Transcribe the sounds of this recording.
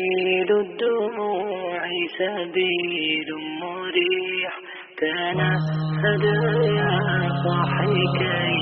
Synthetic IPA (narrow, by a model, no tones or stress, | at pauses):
lʊd̪ːʊ | ʕisabilmʊɾiħ | kaːnasadajasˤɑħika